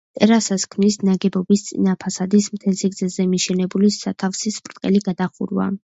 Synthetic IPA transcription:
t̪ʼɛɾasaskʰmnisnaɡɛbɔbist̪sʼḭnapʰasad̪ismt̪ʰɛlsiɡdzɛzɛmiʃɛnɛbulisat̪ʰafsispʰʼɾt̪ʼqʼɛ̰liɡad̪aχṵɾva̰

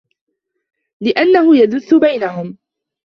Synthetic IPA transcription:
lɪʔanːahʊjaðʊθːʊbajnaɦʊm

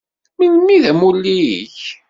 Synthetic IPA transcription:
minmiðæmulːijḭç

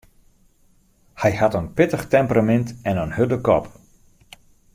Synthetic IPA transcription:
hɛjhatənpɪtəxtɛmpəramɛntɛnənhødəkɔ̰p

